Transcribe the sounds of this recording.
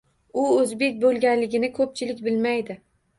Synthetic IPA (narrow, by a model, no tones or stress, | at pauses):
ʊɵzbe̞kʲbolˠɡʲanlɪɡʲɪnɪkʰɵp̚t͡ʃʰɪlɪkʲbɪlmajd̪ɪ